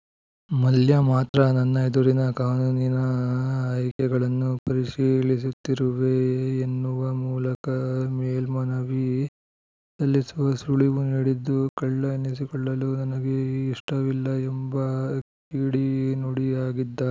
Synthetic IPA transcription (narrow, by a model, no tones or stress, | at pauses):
mɐljɐmaːt̪ɾɐnɐnːɐjid̪oɾinɐkaːnuːninɐː | jkɛɡɐɭɐnːupɐɾiʂiːlis̬ut̪ːiɾuʋeːnːuʋɐmuːlɐkɐmeːlmɐnɐʋi | sɐlːisuʋɐsuɭiʋuniːɽid̪ːukɐɭːɐnis̬ikɔɭːɐlunɐnɐɡeiʂʈɐʋilːɐɛmbɐkiːɽinuɽijaːɡid̪ːɐ